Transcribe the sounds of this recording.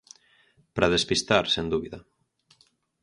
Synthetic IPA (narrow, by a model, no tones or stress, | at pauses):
pɾaðespist̪aɾsend̪uβiðɐ